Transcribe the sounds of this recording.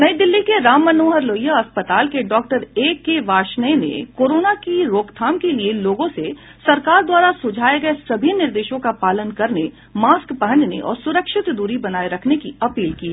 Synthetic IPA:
nɐid̪ɪlːikeɾaːmːɐnoːɦɐɾloːjaɐspət̪aːlkeɖɔːk̚ʈəɾeːkːeʋaːʃnəenḛkoːɾoːnakiɾoːkt̪ʰaːmkelieloːɡõse | sɐɾkaːɾd̪waːɾasʊd͡ʒʱaːeɡɐesɐbʱinɪɾd̪eːʃõkapaːlənkɐɾne | maːskpɐɦə̃nɖnḛʔɔ̰ːɾsʊɾəkʃɪt̪d̪uːɾibɐnaːeɾɐkʰnekiɐpiːlkiːɦɛː

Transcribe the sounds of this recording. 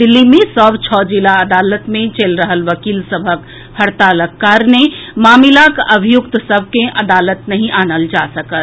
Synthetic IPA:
d̪ilːimẽsəbt͡ʃʰɔd͡ʒilaəd̪alət̪mẽt͡ʃelɾəɦəlʋəkiːlsəbʱək | həɾt̪aləkːaɾnemaːmilakəbʱijʊkt̪səbʱkeʔəd̪alət̪nəɦĩʔanəld͡ʒasəkət̪

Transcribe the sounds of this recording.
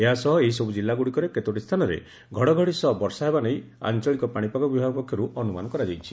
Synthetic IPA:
eɦasɔɦɔeɦisɔbud͡ʒilːaɡuɽikɔɾeket̪oʈist̪ʰanɔɾḛ | ɡʱɔɽɔɡʱɔɽisɔɦɔbɔɾsaɦebanej | a̰nt͡ʃɔɭikɔpaɽ̃ipakɔbibʱabɔpɔkʰːjɔɾuʔɔnuma̰nɔkɔɾad͡ʒajt͡ʃʰi̥

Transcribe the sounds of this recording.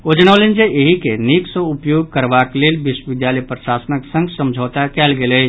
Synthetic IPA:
od͡ʒñaːlɪ̃nd͡ʒeʔeɦikeniːksõʊpjoːɡkəɾʋaːkleːlʋɪʃwʋɪd̪jaːləjpɾəʃaːsənəksə̃ŋɡsɐ̃md͡ʒʱoːt̪akɛːlɡele

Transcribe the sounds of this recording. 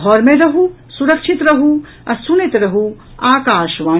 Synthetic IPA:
ɔːɾmẽɾɐɦũ | suɾɐkʃɪt̪ɾɐɦũ | ɐsunit̪ɾɐɦũ | aːkaːʃʋaː

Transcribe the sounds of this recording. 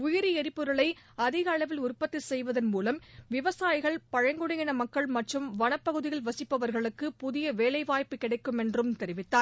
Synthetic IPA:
ʊjɪɾiɛɾɪpːɯɾɐɭɐɪɐðɪɣɐːɭɐʋɪlʊrpːɐt̪ːɪsɛjʋɐðɐnmuːlɐmʋɪʋɐsaːjɪɣɐɭpɐɻɐŋɡɯɽɐŋɡɪnɐmɐkːɐɭmɐʈrɯmʋɐnɐpːɐɣɯðɪjɪlʋɐsɪpːɐʋɐɾɣɐɭɯkːɯpʊðɪjɐʋeːlɐɪʋaːjpːɯkɪɽɐɪkːɯmɛndrɯmt̪ɛɾɪʋɪt̪ːaːɾ

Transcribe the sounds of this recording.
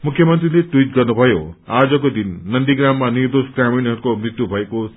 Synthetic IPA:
mukʰjʌmʌnt̪rileʈwiʈ̚ɡʌrnubʱʌjoad͡zʌkod̪inːʌnd̪iɡramːanird̪osɡraminɦʌɾukomrit̪jubʱʌeko

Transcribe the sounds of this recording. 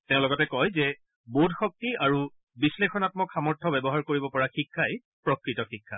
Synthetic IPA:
teʊ̃lɔɡɔtɛkɔjzɛ | bodʱxɔk̚tiaɹu | bislexɔnatmɔkxamɔɹtʰɔbɛbɔɦaɹkoɹibɔpɔɹaxikʰːaj | pɹɔkɹitɔxikʰːa

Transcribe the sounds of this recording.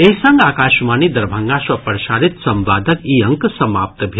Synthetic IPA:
eɦsɐŋɡaːkaːʃmaːnid̪ɐɾbʱɐŋɡaʃwɐpəɾʃaːɾit̪sɐmʋaːd̪ʱəkiːɐŋksɐmaːp̚t̪bʱe

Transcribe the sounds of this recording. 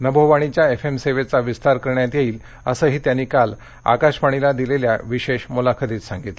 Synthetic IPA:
nəbʱowʋaɽ̃it͡ɕjaefemseʋet͡saʋist̪aɾkəɾɳjat̪jeiːl | əsəːɦiːt̪janːiːkal | a̰kaɕpaɽ̃ilad̪ilelja̰ʋiɕeɕmulakʰəd̪iːt̪sãŋɡit̪l

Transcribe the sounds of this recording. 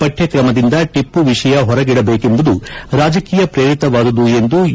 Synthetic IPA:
pɐʈʰjɐkɾɐmɐd̪ind̪ɐʈipːuʋiʂɐjɐɦɔɾɐɡiɽɐbe̞ːke̞mbud̪uɾaːd͡ʒɐkiːjɐpɾeɾit̪ɐʋaːd̪ɐd̪ue̞nd̪u

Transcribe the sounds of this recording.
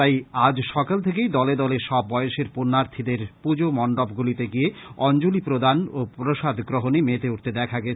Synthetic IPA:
t̪ajad͡ʑʃɔkalt̪ʰekejd̪ɔled̪ɔleɾʃɔb̚ːɔeoʃeɾponːaɾt̪ʰid̪eɾpud͡ʑomɔɳɖobɡulit̪eɡieɔnd͡ʑolipɾod̪anopɾoʃad̪ʱɡɾoɦonemet̪euʈ̚t̪ed̪ɛkʰaɡɛt͡ɕʰe

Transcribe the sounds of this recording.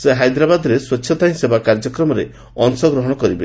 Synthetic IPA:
seɦajd̪ɾabad̪ɔɾeswetːʰjɔt̪aj̃sebakaɾd͡ʒɔkɾɔmɔɾe | ɔnsɔɡɾɔɦɔɽ̃ɔkɔɾibe

